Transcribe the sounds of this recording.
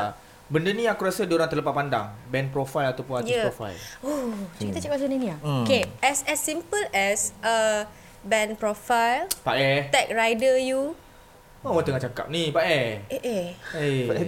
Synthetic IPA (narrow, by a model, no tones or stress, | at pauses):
bəndənĩakuɾasədoɾaŋt̪əɾləpat̪̚panda̰ŋbɛ̃npɾɔfajlat̪awpunajəɔfa̰jlot͡ʃəkit̪at͡ʃakapsəninĩaokeɛsɛsːĩmpəlɛsʔə | bɛ̃npɹɔfajlpaʔɛt̪ɛk̚ɹajdəju | oat̪əŋat͡ʃaka̰p̚nipaʔɛeʔee